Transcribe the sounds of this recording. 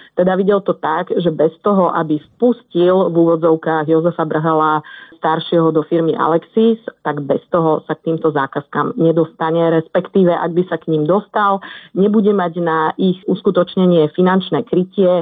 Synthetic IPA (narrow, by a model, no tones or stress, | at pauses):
t̪ɛd̪aʋiɟɛlt̪ɔt̪aɡʒɛbɛst̪ɔɦɔʔabispuscilvuːʋɔd͡zɔʊkaːɣjɔzɛfabr̩ɦalast̪aɾʃɪɛɦɔd̪ɔfiɾmiʔa̰lɛksist̪aɡbɛst̪ɔɦɔsak̚t̪iːmt̪ɔzaːkaskamɲɛd̪ɔst̪aɲɛɾɛspɛkt̪iːʋɛʔa̰ɡ̚bisakɲimd̪ɔst̪alɲɛbuɟɛmaɟnaʔixuskut̪ɔt͡ʃɲɛɲɪɛfinant͡ʃnɛːkɾicɪɛ